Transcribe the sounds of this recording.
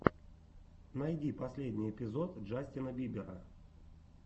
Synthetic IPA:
nɐjdʲipɐsʲlʲedʲnʲɪjɪpʲɪzo̞t̪ʐasʲtʲɪnəbʲibʲɪɾə̰

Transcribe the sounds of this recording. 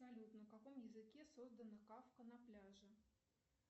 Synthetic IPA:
ɐpsɐlʲut̪nəfkɐko̞mjɪzɨkʲe̞so̞zd̪ənəkafkənɐplʲaʐɨ

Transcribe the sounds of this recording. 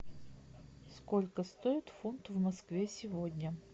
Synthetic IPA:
skolʲkəst̪o̞ɪt̪funt̪vmɐskvʲesʲɪvodʲnʲə

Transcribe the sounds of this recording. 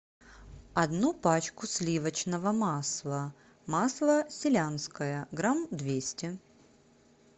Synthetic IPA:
ɐd̪nupat͡ɕkʊsʲlʲivət͡ɕnəvəmaslˠə | maslˠəsʲɪlʲanskəjəɡɾamd̪vʲesʲtʲɪ

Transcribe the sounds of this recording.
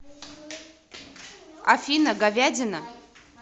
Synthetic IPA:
a̰finaɡavʲadʲɪna

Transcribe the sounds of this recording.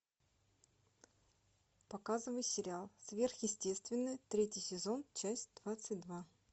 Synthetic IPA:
pɐkazɨvəjsʲɪɾʲɪalˠsvʲe̞rxjɪsʲtʲe̞st̪vʲɪnːəjt̪ɾʲetʲjɪjsʲɪzo̞nt͡ɕæsʲtʲd̪vat̪sɨtʲd̪va

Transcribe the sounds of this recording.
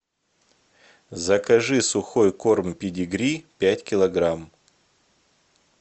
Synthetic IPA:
zəkɐʐɨsʊxojko̞rmpʲɪdʲɪɡɾʲipʲætʲkʲɪlˠɐɡɾam

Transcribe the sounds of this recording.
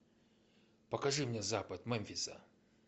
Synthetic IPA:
pɐkɐʐɨmnʲezapɐt̪mɛmʲfʲɪsə̰

